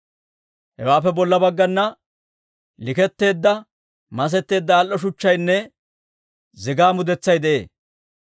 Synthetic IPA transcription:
hɛwaːp̬ːɛbɔlːɐbɐɡːɐnːɐ | lɪkɛt̪ːe̞ːd̪ːɐ | mɐs̬ɛt̪ːe̞ːd̪ːɐːlʔɔʃ̬ʊt͡ʃːɐjnːɛ | zɪɡaːmʊd̪ɛt͡sːɐjd̪ɛʔḛː

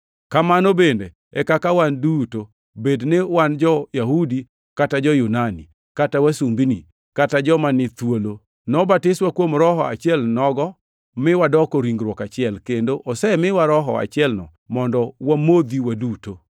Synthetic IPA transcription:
kamanobende | ɛkakawanduto | bednewand͡ʒɔjaɦudi | katad͡ʒɔjunanḭ | katawasumbini | katad͡ʒɔmanɪt̪wolo | nɔbatɪswakwomɾɔɦɔa̰t͡ʃɪɛlnɔɡɔ | mɪwadɔkɔɾiŋɡɾwɔkat͡ʃɪɛlkendoʔosɛmɪwaɾɔɦɔ̰a̰t͡ʃɪɛlnɔ̰ | mɔndɔwamod̪iwaduto

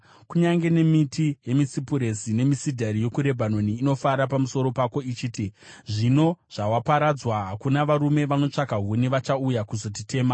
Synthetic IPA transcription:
kuɲaŋɡe̞ne̞mitʰije̞misipuɾe̞sine̞misidʱaɾijo̞kuɾe̞bʱano̞niːno̞faɾapamuso̞ɾo̞pako̞it͡ʃiːtiʐino̞ʐ̥awapaɾad͡zwaɦakunaʋaɾume̞ʋano̞t͡ʂakaɦuniʋat͡ʃaujakuzo̞t̬ite̞ːma

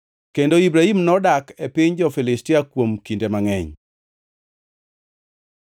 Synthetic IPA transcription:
kendoibɾaimnɔdakepɪɲd͡ʒɔfilɪstɪakwomkindemaŋɛɲ

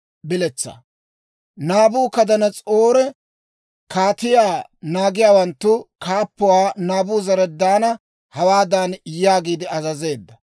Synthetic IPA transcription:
bɪlɛt͡sːa̰ | naːbuːkɐd̪ɐnɐt͡sʼoːɾɛ | kaːt̪ɪjaːnaːɡɪjaːwɐnt̪ːʊkaːpːʊwaːnaːbuːzɐɾɛd̪aːnɐ | hɐwaːd̪aːnjaːɡiːd̪ɪɐzɐze̞ːd̪ːɐ

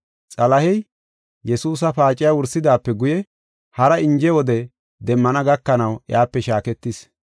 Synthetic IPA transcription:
t͡sʼɐlɐhɛj | jɛsuːs̬ɐpaːt͡ʃʼːɪjawʊɾsɪd̪aːpːɛɡʊjɛ | hɐɾɐɪnd͡ʒɛwɔd̪ɛ | d̪ɛmːɐnɐɡɐkːɐnɐwʔjaːpːɛʃaːkɛt̪ːɪs

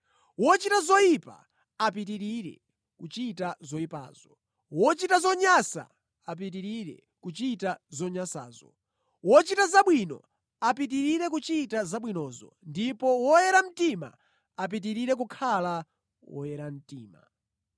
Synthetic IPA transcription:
wɔt͡ʃitazɔjipa̰ | ap̬it̬iɾiɾɛ̰ | kut͡ʃitazɔipa̰ːz̥ɔ | wɔt͡ʃitazɔɲasa̰ | ap̬it̬iɾiɾɛ̰ | kut͡ʃitazɔɲasa̰ːzɔ | wɔt͡ʃitazaɓwinɔ̰ | apit̬iɾiɾɛk̬ut͡ʃitazaɓwinɔzɔ̰ | ndipɔwɔjɛɾam̩tima̰ | ap̬it̬iɾiɾɛk̬ukʰala | wɔ̰jɛɾam̩tiːma̰

